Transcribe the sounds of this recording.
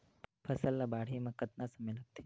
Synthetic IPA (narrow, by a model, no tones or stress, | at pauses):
pʰɐsəlːabaːɽ̤imãkət̪nasɐmelək̚t̪ʰi